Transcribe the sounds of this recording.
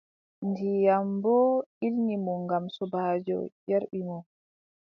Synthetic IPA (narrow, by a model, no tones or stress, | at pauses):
ndijambɔilnimɔŋɡamsɔbaːd͡ʒɔ̰d͡ʒɛɾɓimɔ